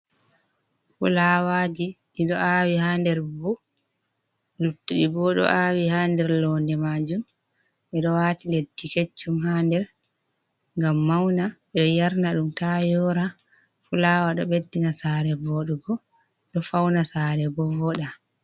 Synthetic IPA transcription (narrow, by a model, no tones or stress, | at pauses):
fṵlaːwaːd͡ʒiɗiɗɔawihandɛɾbu | lutːuɗibɔɗɔ̰ʔaːwihaːndɛɾlɔːndɛmad͡ʒum | ɓɛɗɔwaːtiledːiket͡ʃːumhaːndɛɾ | ŋɡamːawnaɓɛɗɔjaɾnaɗumtajɔɾa | fulaːwaɗɔɓedːinasaːɾɛbɔɗuɡɔ | ɗɔfawnasaɾɛbɔvɔɗa